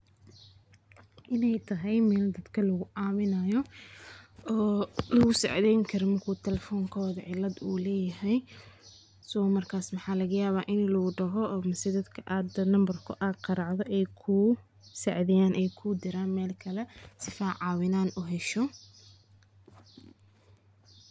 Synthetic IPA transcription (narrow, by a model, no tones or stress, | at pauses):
ʔɪnɛjt̪ʰɐɦɛjmɛːld̪ɐd̪̥kʰɐlɐɣʊʔaːmɪnɐjɔ | ɔːlɐɣʊsɛ̰ʕðɛjŋkʰɐɾɔmɐrkʰuːt̪ʰɛlɛfɔːŋkʰɔːðɐʕɪlɐd̪uːlɛːjɐɦɛj | sɔmɐrkʰaːsmɐħɑːlɐɣɐjaːβaːʔɪnlɐɣʊɖɐɦɔːmɐsɛd̪ɐd̪kʰɐʔaːd̪ɐnɐmbɐrkʰʊ̰ʔaːqɑɾɑʕðɔʔɛjkʰʊ | sɛʕðɛjaːnʔɛjkʰʊd̪ɪɾaːnmɛːlkʰɐlɛsɪfaːʕɑːwɪnaːnuɦɛʃɔ